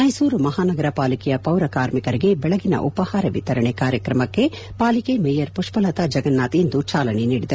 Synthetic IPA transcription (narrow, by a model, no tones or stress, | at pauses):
mɐjsuːɾumɐɦaːnɐɡɐɾɐpaːlikɛjɐpɐwɾɐkaːɾmikɐɾiɡe̞bɛɭɐɡinɐ̰ʔupɐhaːɾɐʋit̪ɐɾɐɳekaːɾjɐkɾɐmɐkːe̞ | paːlikemɛjːɐɾpuʂpɐlɐt̪ad͡ʒɐɡɐnːaːt̪ijɐnd̪ut͡ʃaːlɐɳeniːɽid̪ɐɾ